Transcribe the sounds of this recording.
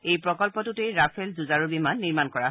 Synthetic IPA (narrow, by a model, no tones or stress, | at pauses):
ejpɹɔkɔlpɔtʊtejɹapʰelzuzaɹubimanːiɹmankɔɹaɦ